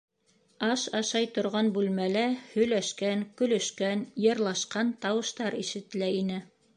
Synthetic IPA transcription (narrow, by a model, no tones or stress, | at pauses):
ɑʃɑʃɑjt̪ŏɾʁɑnbʉlmælæhɵ̆jlæʃkænkɵ̆lɵ̆ʃkænjɤ̆ɾlˠɑʃqɑnt̪ɑwɤ̆ʃt̪ɑɾiʃɘ̆t̪læinɘ